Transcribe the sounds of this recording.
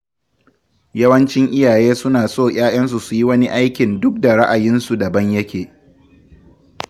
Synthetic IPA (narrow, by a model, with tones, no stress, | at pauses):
jɐ˦wɐ˦nt͡ʃɪ˦ŋʔɪ˦jaː˨jeː˦sʊ˦naː˨soː˦˨j̰ʲʼaː˦j̰ɐ˦ns̬u˨su˨ji˦wɐ˦ni˦ʔa˦jkʲɪ˨ndʊ˦k̚da˨ɽa˦ʔa˨jɪ˦nsu˨dɐ˨bɐ˦ɲjɐ˦kʲeː˨